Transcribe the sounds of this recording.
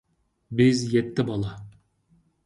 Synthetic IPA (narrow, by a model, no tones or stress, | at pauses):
bɪzjɛt̪ːɪbɑlˠɑ